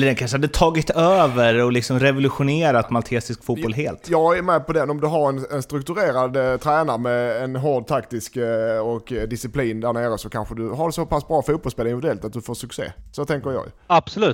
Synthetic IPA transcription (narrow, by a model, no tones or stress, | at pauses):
ləɖ̪ɛnkʰanʂəhad̪ːət̪ʰɑːɡɪt̪øːvəɾɔlɪksɔmɾɛvʊlɵɧʊneːɾat̪malt̪ʰeːsɪskfuːtbɔlɦeːlt̪jɑːɡæmɛːpʰɔd̪ɛnːɔmd̪ɵɦaɾɛnɛnst̪ɾɵk̚t̪ɵɾeːɾad̪t̪ʰɾæːnaɾmɛːnɦɔɖ̪t̪ʰakt̪ɪskɔkd̪ɪsɪpʰliːnd̪æɾɳeːɾəsɔkʰanɧəd̪ɵɦaɾɖɛsɔpʰasbɾɑːfuːt̪bɔlspeːlɪnvɪd̪ɛlt̪at̪̚d̪ɵfoːʂɵksḛːsɔt̪ʰɛŋkəɾjɑ̰ːɡj̰ab̥sɔlʉ̟ː